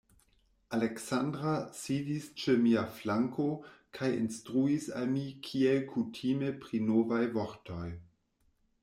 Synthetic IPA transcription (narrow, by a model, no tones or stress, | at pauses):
aleksandɾasidist͡ʃemiaflaŋkʰokʰajḭnstɾuisa̰lmikʰielkʰutʰimepɾinovajvoɾtʰoj